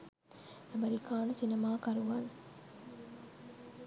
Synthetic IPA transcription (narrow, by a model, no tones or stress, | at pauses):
ɐmeɾikaːnusinemaːkɐɾuʋan